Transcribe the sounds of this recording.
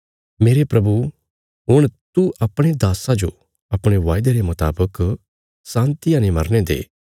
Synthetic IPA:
meːɾepɾɐbu | ɦʊɽ̃t̪uʔɐpɽ̃ed̪aːsad͡ʒo | ɐpɽ̃eʋaːjɪd̪eɾemʊt̪a̰ːbək | sãːnt̪ijãnemɐɾned̪ḛː

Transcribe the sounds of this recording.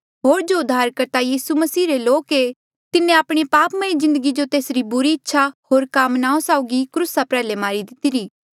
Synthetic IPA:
ɦoːɾd͡ʒoʊd̪ʱːaːɾkɐɾt̪ajiːsumɐsiːɾeloːke | t̪ɪnːẽaːpɽ̃ipaːpmɐ̃izɪ̃nd̪əɡid͡ʒot̪eːsɾibʊɾiɪtːʃʰaɦoːɾkaːmnãːõsaːʊɡikɾusapɾɛːlemaːɾid̪ɪt̪iɾiː

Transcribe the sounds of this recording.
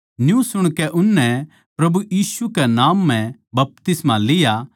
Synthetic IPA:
njũsʊɽ̃kɛʔʊnːɛ | pɾɐbujiːsukɛnaːmːɛ̃bɐp̚t̪ɪsmalɪja

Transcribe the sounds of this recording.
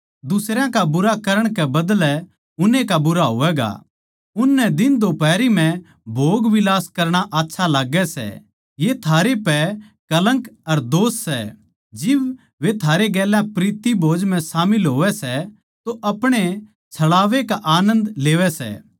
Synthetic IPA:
d̪ʊsɾjãkabʊɾakɐɾəɽ̃kɛbɐd̪lɛ | ʊnẽkabʊɾaɦo̰ːʋɛɡa̰ | ʊnːɛd̪ɪnd̪opɛːɾim̤ɛ̃ | bʱoːɡʋɪlaːskɐɾɽ̃aʔaːtːʃʰalaːɡɛsɛ̰ | jet̪ʰaːɾepɛ | kɐlə̃ŋkɐɾd̪oːsːɛ̰ | d͡ʒɪb | ʋet̪ʰaːɾeɡɛːlãpɾiːt̪ibʱoːd͡ʒmɛ̃saːmɪlɦoːʋɛsɛ | t̪oʔɐpɽ̃e | t͡ʃʰɐɭaːʋekaʔaːnə̃nd̪leːʋɛsɛ̰ː

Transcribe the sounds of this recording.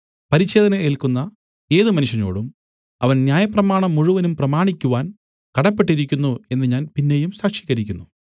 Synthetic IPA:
pɐɾiɕːe̞ːd̪ɐnɐeːlkunːɐ | e̞ːðɨmɐnuʂjɐno̞̰ːɽum | ɐ̰ʋɐnnjaːjɐprɐmaːɳɐmːuɻuʋɐnumprɐmaːɳikʲːuʋaːn | kɐɽɐpːe̞ʈːiɾikʲːunːue̞nːɨɲaːnpinːe̞jumsaːkʂi̥ːɣɐɾikʲːunːu

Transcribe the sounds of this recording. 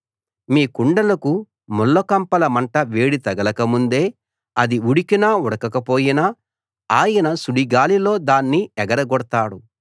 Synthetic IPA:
miːkuɳɖɐlɐku | mɔlːokɐmpɐlɐmɐɳʈɐʋeːɽit̪ɐɡɐlɐkɐmund̪e̞ː | ɐd̪iuɽikinaːɔɽɐkɐkɐpo̞ːjina | aːjɐnɐsuɽiɡaːlilo̞ːd̪aːnːiɛɡɐɾɐɡɔɽt̪aːɽu

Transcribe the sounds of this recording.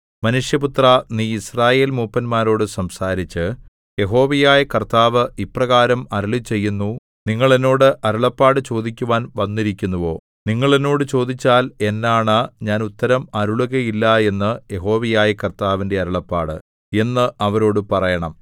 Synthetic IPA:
mɐnuʂjɐput̪rɐniːisraːje̞ːlmuːpːɐnmaːɾo̞ːɽɨsɐmsaːɾit͡ɕːɨ | je̞ɦo̞ːʋɐjaːjɐkɐrt̪aːʋɨʔiprɐɣaːɾɐmɐɾuɭit͡ɕe̞jːunːu | niŋːɐɭe̞nːo̞ːɽɨʔɐɾuɭɐpːaːɽɨt͡ɕo̞ːd̪ikʲːuʋaːnʋɐnːiɾikʲːunːɐʋo̞ː | niŋːɐɭe̞nːo̞ːɽɨt͡ɕo̞ːd̪it͡ɕːaːle̞nːaːɳɨɲaːnut̪ːɐɾɐmɐɾuɭuɣɐjilːɐe̞nːɨje̞ɦo̞ːʋijaːjɐkɐrt̪aːʋinde̞ɐɾuɭɐpːaːɽɨ̰ | e̞nːɨɐʋɐɾo̞ːɽɨpɐrɐjɐɳɐm

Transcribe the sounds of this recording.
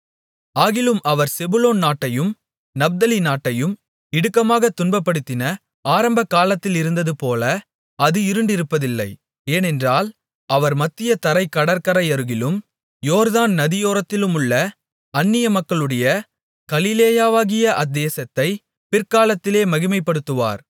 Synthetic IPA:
aːɣɪlɯmʔɐʋɐɾsɛbɯloːnnaːʈːɐjɯm | nɐb̚d̪ɐlinaːʈːɐjɯm | ɪɽɯkːɐmaːɣɐt̪ʊnbɐpːɐɽɯt̪ːɪnɐ | aːɾɐmbɐkːaːlɐt̪ːɪlɪɾɯnd̪ɐðɯpoːlɐ | ɐðɯɪɾɯɳɖɪɾɯpːɐðɪlːɐɪ | eːnɛndraːl | ɐʋɐɾmɐt̪ːɪjɐt̪ɐɾɐɪkːɐɽɐɾkɐɾɐjɐɾɯɣɪlɯm | joːɾðaːnnɐðɪjoːɾɐt̪ːɪlɯmɯɭːɐ | ɐnːɪjɐmɐkːɐɭɯɽɐjɐ | kɐlɪleːjaːʋaːɣɪjɐʔɐd̪ːeːsɐt̪ːɐɪ | pɪɾkaːlɐt̪ːɪleːmɐɣɪmɐɪpːɐɽɯt̪ːɯʋa̰ːɾ

